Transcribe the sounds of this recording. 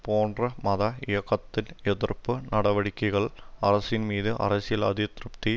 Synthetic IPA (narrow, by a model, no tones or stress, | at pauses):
poːndrɐmɐðɐɪjɐkːɐt̪ːɪnɛðɪrpːɯnɐɽɐʋɐɽɪkʲːɐɪɣɐɭɐrɐsɪnmiːðɯʔɐ̰rɐsɪjɐlɐ̰ðɪt̪rɯpt̪i